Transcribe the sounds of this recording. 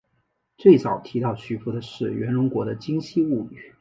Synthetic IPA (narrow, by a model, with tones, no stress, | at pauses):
t͡swe˥˩ɪt͡sɑ˨˩ʊt̪ʰi˧˥t̪ɑ˥˩ʊɕʰy˧˥fu˧˥d̪ə˧ʂɻ̩˥˩ɥɛ˧˥nɻʊ˧˥ŋkwɔ˧˥d̪ə˧t͡ɕi˥ŋɕi˥u˥˩y̰˨˩˦